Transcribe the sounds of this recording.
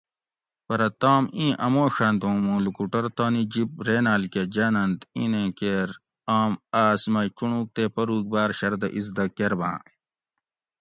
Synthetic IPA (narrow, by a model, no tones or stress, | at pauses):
pɐɾɐt̪aːmĩːʔɐmoːɕand̪õːmũːlukuʈɐɾt̪aːnid͡ʑip̚ɾeːnaːlked͡ʑaːnɐnt̪ĩːnẽkeːɾ | aːmaːsmɐkuɳũːk̚t̪eːpɐɾuːk̚baːɾɕɐɾd̪ɐʔizd̪ɐkeɾbã̰ː